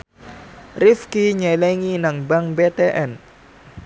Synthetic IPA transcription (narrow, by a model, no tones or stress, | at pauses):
rifkiɲɛlɛŋinaŋbaŋbet̪eʔɛn